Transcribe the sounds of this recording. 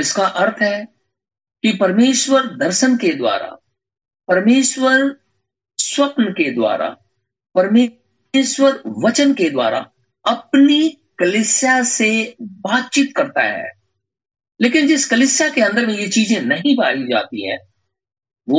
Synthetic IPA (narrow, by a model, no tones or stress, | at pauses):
ɪskaʔɐɾt̪ʰɦɛ | kipɐɾmeːʃwəɾd̪ɐɾʃənked̪wa̰ːɾa̰ | pɐɾmeːʃwəɾ | swɐpnəked̪wa̰ːɾa̰ | pɐɾmeː | ʃwəɾʋɐt͡ʃənked̪wa̰ːɾa̰ | ɐpni | kɐlɪsjasebaːt̪̚t͡ʃiːt̪kɐɾt̪a̰ɦɛ̰ː | leːkɪnd͡ʒɪskɐlɪsjakeɐ̃nd̪əɾmẽjet͡ʃiːzẽnɐɦĩbaːɾid͡ʒa̰ːt̪ḭɦɛ̰̃ː | ʋo